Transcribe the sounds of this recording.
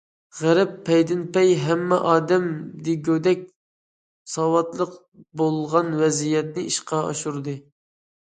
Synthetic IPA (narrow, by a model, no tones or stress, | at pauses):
ʁæɾɛpʰːɛjd̪ɪnpɛjɦɛmːɛʔɑːd̪ɛmd̪ɪɡʲød̪ɛk̚ʲ | sɑwɑt̪lˠəq | bolˠʁɑnwɛzijɛt̪̚nɪiʃqʰɑɑ̰ʃuɾd̪ɨ